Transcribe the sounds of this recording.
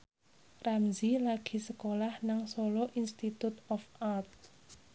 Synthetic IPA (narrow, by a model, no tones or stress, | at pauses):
ramzilaɡ̥i̤səkolahnaŋsoloʔinst̪it̪ut̪ɔfart̪̚